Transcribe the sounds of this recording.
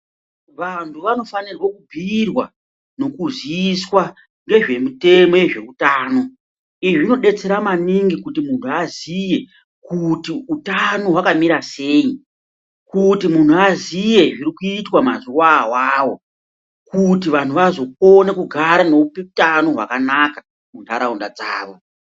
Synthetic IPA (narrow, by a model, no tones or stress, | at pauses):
ʋantʰuʋano̞fanirwakubʱirwa̰ | no̞kuziːswa | ŋɡe̞ʐe̞mute̞mo̞jeʐe̞utaːno̞ | iʐino̞ɗe̞t͡se̞ɾamaniŋɡikutimuntʰuazije̞ | kutiutano̞ɦwakamiɾaseːji | kutimun̤uazije̞ʐiɾikuitwamazuwawaːwo̞ | kutiʋan̤uʋazo̞p̚onekuɡʱaɾano̞pekutano̞ɦwa̰kanakḁ | mun̤aɾaundad͡zaːʋo̞